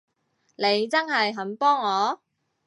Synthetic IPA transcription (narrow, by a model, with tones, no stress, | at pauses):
le˨˧jt͡sɐ˥nhɐ˨jɦɐ˨˥npɔː˥ŋːɔː˨˧